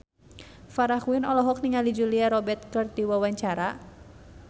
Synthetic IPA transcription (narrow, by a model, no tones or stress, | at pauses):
faɾaxwinɔlɔɦɔk̚niŋalid͡ʒuliaɾɔbɛrt̪̚kərt̪̚diwawaɲt͡ʃaɾa